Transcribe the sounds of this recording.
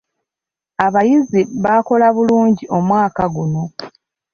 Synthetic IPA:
aβajiziβako̞laβuluːɲɟiʔo̞mwaːkaɡuno̞

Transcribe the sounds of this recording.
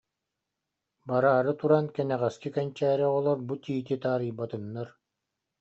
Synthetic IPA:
baɾaːɾɯt̪uɾankɛnɛʁɛskikɛnt͡ɕæːɾɛɔlˠɔɾbut̪iːt̪̬it̪aːɾɯjbat̪ɯnːaɾ

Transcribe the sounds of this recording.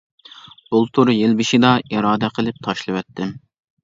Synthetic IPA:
bolˠt̪ʰuɾjelbɪʃɪd̪ɑiɾɑːd̪ɛqʰəlˠɪp̚t̪ʰɑʃlˠɨwɛt̪ʰːɪm

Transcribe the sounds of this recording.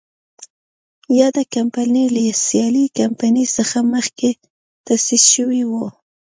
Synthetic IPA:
jɑd̪akampanilasjɑlikampanisəxaməxke | t̪asisʃəwiwu

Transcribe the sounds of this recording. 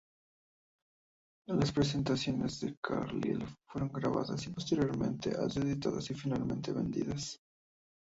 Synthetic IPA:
laspɾes̬e̞nt̪asjo̞ne̞zðe̞kʰaɾlilfwe̞ɾo̞ŋɡɾaβaðasipo̞st̪eɾjo̞ɾmẽ̞nt̪eʔazeðit̪aðasifinalmẽ̞nt̪eβe̞nd̪iðas

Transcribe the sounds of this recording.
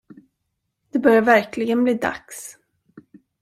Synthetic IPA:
d̪̥ɛbœɾjaɾvæɾklɪɡənbliːd̪a̰ks

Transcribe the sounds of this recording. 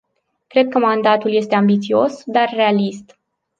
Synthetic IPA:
kɾe̞d̪̚kəmand̪at̪ulje̞st̪e̞ambit̪sio̞sd̪arːe̞alist̪

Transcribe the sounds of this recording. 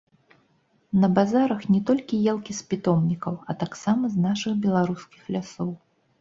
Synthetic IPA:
nɐbazaɾɐxnʲɛt̪ɔlʲkʲijɛlˠkʲispʲit̪ɔmnʲikɐwɐt̪aksamɐznaʂɨxbʲɛlˠaɾuskʲixlʲasɔw

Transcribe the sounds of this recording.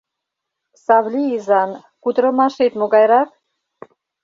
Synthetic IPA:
sɑvliːzɑn | kut̪ɾəmɑʃet̪moɡɑjɾɑk̚

